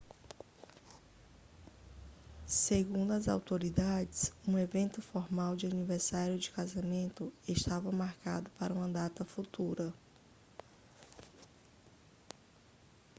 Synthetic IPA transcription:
seɡũnd̪ʊɐza̰wt̪oɾid̪ad͡ʒɪsũevẽnt̪ʊfɔɾmawd͡ʒɪaniveɾsaɾjʊd͡ʒɪkazamẽnt̪ʊeʃt̪avɐmaɾka̰d̪ʊpaɾɐũmɐd̪at̪ɐfut̪uɾɐ

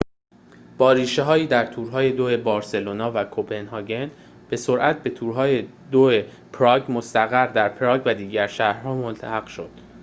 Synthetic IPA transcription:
b̥ɒːɾiːʃeɦɒːjiːd̪æɾt̪ʰuːɾɦɒːje̞d̪oe̞bɒːɾse̞lonɒːvækʰobpʰe̞nɦɒːɟe̞n | b̥e̞so̞ɾʔæt̪̚ʰbe̞t̪ʰuːɾɦɒːje | d̪oe | pʰɾɒːɟmost̪æɣæɾd̪æɾpʰɾɒːɡvæd̪iːɟæɾʃæhɾɦɒːmont̪ʰæhæɡ̥ʃo̞d̪̥

